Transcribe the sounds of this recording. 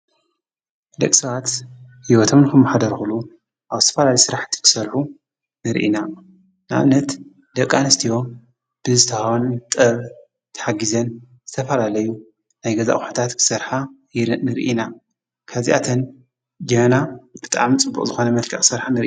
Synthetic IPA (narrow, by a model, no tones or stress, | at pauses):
d̪ɐkʼsɐβat̪hiwɔt̪ʰomnɨkʰɐmːɐħad̪ɐɾxulu | ʔaβzɨ̥t̪ʰɐfɐlalijsɨɾaħt̪ʰi̥kʰɨ̥sɐɾħu | nɨɾʔḭna | nɨʔa̰βnɐt̪ | d̪ɐkʼːanɐst̪ʰijo̞ | b̥ɨzɨt̪ʰɐhawnt̪ʼɐβ | t̪ʰɐ̥ħaɡizɐn | zɨt̪ʰɐfɐlalɐju | najɡɐza̰xħat̪ʰat̪kʰɨ̥sɐɾħa | nɨɾʔina | kʰazḭʔa̰t̪ʰɐn | d͡ʒɐmnab̥ɨ̥t̪ʼa̰ʕmt͡sʼɨbːṵkʼzɨxo̞nɐmɐlkʰɐχʼsɐɾħanɨɾ